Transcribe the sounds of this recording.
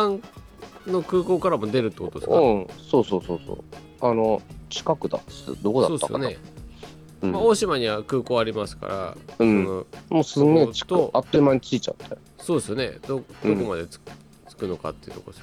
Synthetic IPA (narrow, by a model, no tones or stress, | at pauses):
ãŋ | no̞kɯ̟ːko̞ːkaɾamo̞d̪e̞ɾɯ̟t̪ːekot̪od̪eskãso̞ːsoːsoːso̰ː | anot͡ɕi̥kakɯ̟d̪a̰ɨ̰d̪o̞kod̪asosːa̰sjo̰ne | maoɕimaɲ̟iβakɯ̟ːko̞ːaɾʲimasɨ̥ka̰ɾa̰ɯ̃ɴonomoːsɨŋɡeːt͡ɕi̥kt̪oat̪ːoimaɲ̟it͡sɨit͡ɕa̰t̪ʰːe | so̞ːd̪e̞sɨjone̞̰d̪̥od̪o̞ko̞mad̪e̞t͡s | t͡sɨ̥kɯ̟no̞ka̰t̪ːe̞iɯ̟t̪o̞kod̪es